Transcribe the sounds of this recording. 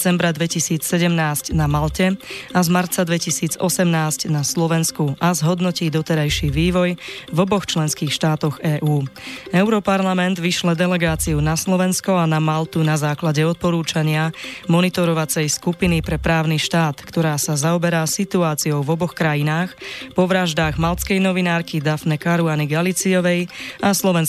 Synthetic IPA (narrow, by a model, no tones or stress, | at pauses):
t͡sɛmbɾad̪ʋɛcisiːt͡ssɛɟɛmnaːscnamalcɛazmaɾt͡sad̪ʋɛcisiːd͡zɔsɛmnaːscnaslɔʋɛnskuʔazɦɔd̪nɔciːd̪ɔt̪ɛɾajʃiʋiːʋɔjvɔbɔxt͡ʃlɛnskiːxʃt̪aːt̪ɔɣɛːʔuːɛʊɾɔpaɾlamɛnd̪ʋiʃlɛd̪ɛlɛɡaːt͡siunaslɔʋɛnskɔanamalt̪unazaːklaɟɛɔt̪̚pɔɾuːt͡ʃaɲɪamɔnit̪ɔɾɔʋat͡sɛjskupinipɾɛpɾaːʊniʃt̪aːt̪kt̪ɔɾaːsazaɔbɛɾaːsit̪uaːt͡siɔʊvɔbɔxkɾajinaːxpɔʋɾaʒd̪aːɣmalskɛjnɔʋinaːɾkid̪afnɛkaɾuaniɡalit͡siɔʋɛjaslɔʋɛn